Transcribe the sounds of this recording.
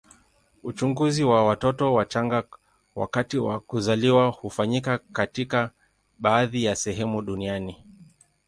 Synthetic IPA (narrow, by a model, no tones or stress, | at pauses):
ut͡ʃuŋɡuziwawatɔtɔwat͡ʃaŋɡa | wa̰katiwa̰kuzaliwahufaɲikakatika | ɓaːðijasɛɦɛmuɗuniani